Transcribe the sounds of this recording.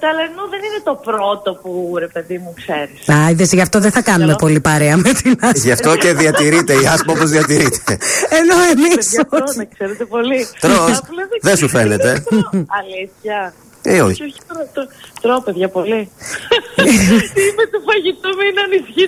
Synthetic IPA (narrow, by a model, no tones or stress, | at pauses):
t̪ɐlenuðeninet̪o̞pɾot̪o̞puɾe̞pe̞ðimukseɾisɐiðesʝɐft̪o̞ðeθɐkɐnume̞po̞lipɐɾeɐmet̪inɐʝɐft̪o̞ce̞ðiɐt̪iɾit̪eiɐsmɐopozðiɐt̪iɾit̪ʰeeno̞e̞miskseɾet̪epo̞lit̪ɾosleðesufe̞net̪e̞ɐliθçɐ | eoço̥ɾt̪t̪ɾopeðʝɐpo̞li | imet̪ufɐʝit̪umeinɐnisçi